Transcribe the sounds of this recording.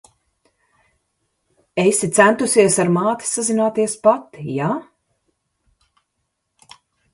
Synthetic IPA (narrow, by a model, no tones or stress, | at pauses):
ejsit̪sænt̪usiɛsaɾmaːt̪i̥sazinaːt̪iɛspat̪ːija